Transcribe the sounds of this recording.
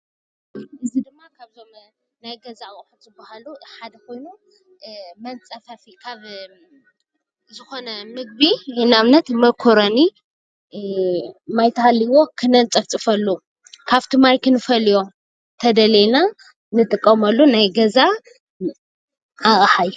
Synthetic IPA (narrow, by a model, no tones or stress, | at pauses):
ɨzid̪ɨmːakʰaβzom | najɡɐzakʼħuzɨbːahaluħad̪ɐko̞jnu | mɐnt͡sʼɐfɐfikʰaβ | zɨxo̞nɐmɨɡ̚binaβnɐt̪mɐkʰoɾoni | majt̪ʰɐhaliwo̞kʰɨnɐnt͡sʼɐft͡sʼɨfɐlːu | kʰaβt̪ʰɨmajkʰɨnɨfɐlijo̞ | t̪ʰɐd̪ɐlena | nɨt̪ʼɨkʼːɐmɐlːunajɡɐza | axʼħaju